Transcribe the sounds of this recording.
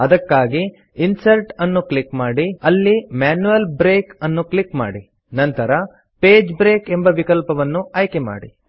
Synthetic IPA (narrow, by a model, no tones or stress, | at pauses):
ɐd̪ɐkːaːɡi | insɐɾʈɐnːuklikmaːɽiɐlːimaːnuʋɐlbɾeːkɐnːuklikma̰ːɽi | nɐnt̪ɐɾɐ | peːd͡ʒbɾe̞ːke̞mbɐʋikɐlpɐʋɐnːuɐːjkema̰ːɽi